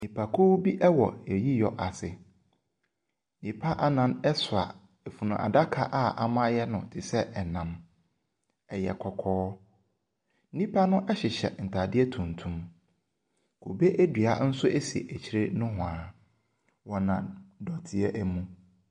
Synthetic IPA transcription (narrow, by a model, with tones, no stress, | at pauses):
nĩ˨pʰa˨kʰu˦bi˦ʔɛ˦wɔ̰˨ɛ˨ji˦jɔ˨ʔa˨sɪ˨ | nĩ˨pʰa˦ʔa˦nã˨nɛ˦sʊ˨a̰˨ | ɛ˨fu˨nʊ̃˨ʔa̰˨da˦kʰa˨ʔa˦˨ʔa˨mã˦jɛ˦nʊ̃˨tʰɪ˨sɛ˦ʔɛ˨nã˨m | ɛ˨jɛ̰˨kʰɔ˨kʰɔː˦ | nĩ˦pʰa˦nʊ̃˦ʔɛ˦ɕɪ˨ɕɛ̰˨n̩˨tʰa˨dɪ˦ɛ˦tʰũ˨n˨tʰũ˨˦m | kʰo˨be˦ʔæ˦dɥa˨n̩˦sʊ˦ʔæ˦si˨e˨ʔæ˨t͡ɕʰi˨ɾe˦nʊ̃˦ɦʊ̃˨ãː˨˦ | wɔ˨nã˨dɔ˨tʰɪ˨ɛ˦ʔæ˦mũ˦